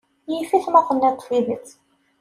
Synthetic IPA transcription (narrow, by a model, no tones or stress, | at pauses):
jifiθmɑqənːæt̪ˤːfiðit͡s